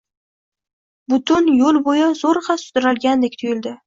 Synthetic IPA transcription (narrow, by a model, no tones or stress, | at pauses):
bʊt̪ʰʊnjolˠbojazoɾχɑsʊ̥d̪ʊɾalɡʲand̪ekʲt̪ʰʊjɪld̪ɪ